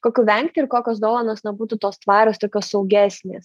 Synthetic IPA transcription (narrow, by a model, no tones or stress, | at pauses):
koːkʲuʋʲɛŋkt̪ʲʊɪɾkoːkʲoːsd̪oːlˠɐnoːsnʲɛbuːt̪ut̪oːst̪ʋɑːɾʲoːst̪oːkʲoːssɐʊɡʲæːsʲnʲḛːs